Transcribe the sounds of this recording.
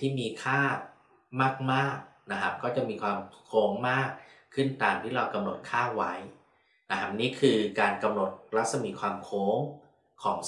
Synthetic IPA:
t̪ʰiː˥˩miː˧kʰaː˥˩ | maː˥˩k̚maː˥˩k̚na˦˧kʰa˦˥kɔː˥˩t͡ɕa˨˩ʔmiː˧kʰwaː˧mkʰoː˦˥ŋmaː˥˩k̚ʰːɯ˥˩nt̪aː˧mt̪ʰiː˥˩ɾa˧wka˧mno˨˩t̪̚kʰaː˥˩wa˦˥j | na˧kʰa˦˥niː˦˥kʰɯː˧kaː˧nka˧mno˨˩t̪̚ɾa˦˥t̪̚sa˧mi˨˧˩kʰwaː˧mkʰoː˦˥ŋ | kʰɔː˩˦ŋ

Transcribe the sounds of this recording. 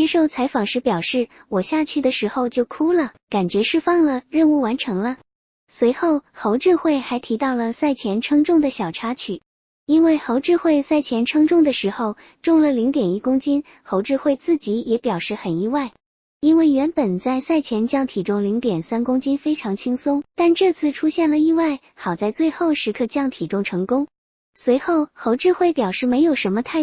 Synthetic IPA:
t͡ɕjɛ˥ʂo˥˩ʊt͡sʰa˧˥ɪfɑ˨˩ŋʂɻ̩˥˩pjɑ˨˩ʊʂɻ̩˥˩ | wɔ˨˩ɕja˥˧t͡ɕʰy˥˩d̪ə˩ʂɻ̩˧˥xo˧ʊt͡ɕjo˥˩ʊkʰu˥lə˨ka˨˩nt͡ɕɥɛ˧˥ʂɻ̩˥˧fɑ˥˩ŋlə˨ɻə˥˧nu˥˩wa˧˥nʈ͡ʂʰɤ˧˥ŋlə˧ | swe˧˥ɪxo˥˩ʊxo˧˥ʊʈ͡ʂɻ̩˥˧xwe˥˩ɪxa˧˥ɪt̪ʰi˧˥t̪ɑ˥˩ʊlə˩sa˥˩ɪt͡ɕʰjɛ˧˥nʈ͡ʂʰɤ˥ŋʈ͡ʂʊ˥˩ŋd̪ə˩ɕjɑ˨˩ʊʈ͡ʂʰa˥t͡ɕʰy˨˩˦ | i˥nwe˥˩ɪxo˧˥ʊʈ͡ʂɻ̩˥˧xwe˥˧ɪsa˥˩ɪt͡ɕʰjɛ˧˥nʈ͡ʂʰɤ˥ŋʈ͡ʂʊ˥˩ŋd̪ə˩ʂɻ̩˧˥xo˧ʊ | ʈ͡ʂʊ˥˩ŋlə˩li˧˥ŋt̪jɛ˨˩ni˥kʊ˥ŋt͡ɕi˥n | xo˧˥ʊʈ͡ʂɻ̩˥˧xwe˥˧ɪt͡sɹ̩˥˩t͡ɕi˧˥jɛ˧˥pjɑ˨˩ʊʂɻ̩˥˩xə˨˩ni˥˧wa˥˩ɪ | i˥nwe˥˩ɪɥɛ˧˥npə˨˩nt͡sa˥˧ɪsa˥˩ɪt͡ɕʰjɛ˧˥nt͡ɕjɑ˥˩ŋt̪ʰi˨˩ʈ͡ʂʊ˥ŋli˧˥ŋt̪jɛ˨˩nsa˥nkʊ˥ŋt͡ɕi˥nfe˥ɪʈ͡ʂʰɑ˧˥ŋt͡ɕʰi˥ŋsʊ˥ŋt̪a˥˧nʈ͡ʂɤ˥˧t͡sʰɹ̩˥˧ʈ͡ʂʰu˥ɕjɛ˥˩nlə˩i˥˧wa˥˩ɪ | xɑ˨˩ʊt͡sa˥˧ɪt͡swe˥˧ɪxo˥˧˩ʊʂɻ̩˧˥kʰɤ˥˧t͡ɕjɑ˥˩ŋt̪ʰi˨˩ʈ͡ʂʊ˥ŋʈ͡ʂʰɤ˧˥ŋkʊ˥ŋ | swe˧˥ɪxo˥˩ʊxo˧˥ʊʈ͡ʂɻ̩˥˧xwe˥˩ɪpjɑ˨˩ʊʂɻ̩˥˩me˧˥ɪjo˨˩ʊʂə˧˥nmə˧t̪ʰa˥˩

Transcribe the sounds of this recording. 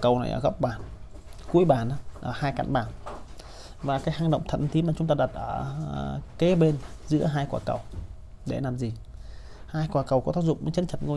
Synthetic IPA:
kə˨˩wna̰˨˩jʔəː˧˩ɣə˦˥wk͡p̚ɓaː˨˩n | ku˨˦əjɓaː˨˩nʔa˨˦ʔəː˧˩haː˧jka̰˧˨ŋɓaː˧˩n | vaː˨˩kaː˨˦jhaː˧˩ŋɗə̰˧˨wŋ͡mt̪ʰə̰˧˨nt̪ʰi˨˦maː˨˩t͡ɕʊ˨˦ŋ͡mt̪aː˧ɗa˨˩t̚ʔəː˧˩ | ke˨˦ɓe˧n | zɨ̰˧˥əɦaː˧jkwaː˨˩kə˨˩w | ɗe˧˩laː˨˩mzi˨˩ | haː˧jkwaː˨˩kə˨˩wkɔ˨˦t̪aː˦˥k̚zʊ̰˧˨ŋ͡mʔt͡ɕə˨˦nt͡ɕʰə˨˧˩t̚ŋo˧

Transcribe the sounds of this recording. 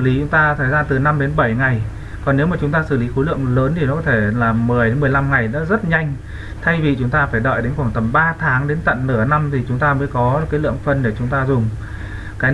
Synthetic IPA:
li˨˦t͡ɕʊ˨˦ŋ͡mt̪aː˧t̪ʰə˨˩jzaː˧nt̪ɨ˨˩na˧mɗe˨˦nɓə˧˩jŋa˨˩j | kɔ˨˩nːe˨˦wmaː˨˩t͡ɕʊ˨˦ŋ͡mt̪aː˧sɨ˧˩li˨˦xo˨˦lɨ̰˧˨əŋləː˨˦nt̪ʰi˨˩nɔ˨˦kɔ˨˦t̪ʰe˧˩laː˨˩mːɨ˨˩əjɗe˨˦mɨ˨əjla˧mŋa˨˩jna̰ː˧˥zə˦˥t̚ɲa˧jŋ̟ | t̪ʰa˧jvi˨˩t͡ɕʊ˨˦ŋ͡mt̪aː˧faː˧˩jɗɔ̰ː˧˨jɗe˨˦nxwaː˧˩ŋt̪ə˨˩mɓaː˧t̪ʰaː˨˦ŋɗe˨˦nt̪ə̰˧˨nnɨ˧˩əna˧mt̪ʰi˨˩t͡ɕʊ˨˦ŋ͡mt̪aː˧məː˨˦jkɔ˨˦kaː˨˦jlɨ̰˧˨əŋfə˨˧˩nɗe˧˩t͡ɕʊ˨˦ŋ͡mt̪aː˧zʊ˨˩ŋ͡m | kaː˨˦j

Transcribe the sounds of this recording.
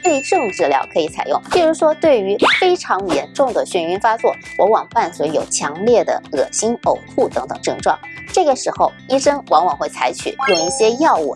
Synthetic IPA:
we˥˧˥ʈ͡ʂɤ˥˧ŋʈ͡ʂɻ̩˥˩ljɑ˧˥ʊkʰɤ˧˥i˧˥t͡sʰa˨˩ɪjʊ̰˥˩ŋt͡ɕi˧˥u˧˥ʂwɔ˥t̪we˥˩ɪy˧˥fe˥ɪʈ͡ʂʰɑ˧˥ŋjɛ˧˥nʈ͡ʂʊ˥˩ŋd̪ə˩ɕɛ˥˩ny˧˥nfa˥t͡swɔ˥˩wɔ˧˥wɑ˨˩ŋpa˥˩nswu˧˥jo˨˩ʊt͡ɕʰjɑ˧˥ŋljɛ˥˩d̪ə̰˩ɤ˨˩ɕi˥no˨˩ʊxu˥˩t̪ɤ˧˥ŋt̪ɤ̰˨˩ŋʈ͡ʂɤ˥˧ŋʈ͡ʂwɑ̰˥˩ŋʈ͡ʂɤ˥˩ɡə˩ʂɻ̩˧˥xo˥˧ʊi˥ʂɤ˥ŋwɑ˧˥ŋwɑ˨˩ŋxwe˥˩ɪt͡sʰa˧˥ɪt͡ɕʰy̰˨˩jʊ˥˧ŋi˥˩ɕjɛ˥jɑ˥˧ʊu˥˩

